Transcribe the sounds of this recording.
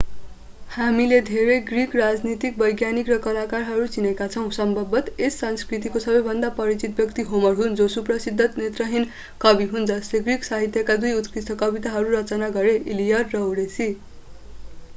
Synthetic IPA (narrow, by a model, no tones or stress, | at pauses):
hamiled̪ʱeɾʌjɡrikrad͡znit̪ik̚bʌjɡjanikrʌkʌlakarɦʌɾut͡sinekat͡sʰʌw̃sʌmbʱʌbʌt̪esːʌnskrit̪̬ikosʌbʌjbʱʌnd̪apʌɾit͡sit̪̚bjʌkt̪iɦomʌrɦund͡zosuprʌsid̪ʱːʌt̪net̪rʌɦin | kʌbiɦund͡zʌsleɡriksaɦit̪jʌkad̪ujut̪krist̪ʰʌkʌbit̪aɦʌɾuɾʌt͡sʌnaɡʌɾeʔilijʌrːʌuɾesi